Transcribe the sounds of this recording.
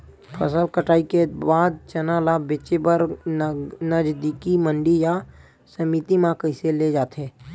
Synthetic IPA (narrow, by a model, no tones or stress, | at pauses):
pʰəsəlkəʈaːikebaːd̪̚t͡ʃənalabet͡ʃebəɾ | nəd͡ʒd̪ikiməɳɖija | səmiːt̪imãkəɪseled͡ʒaːt̪eː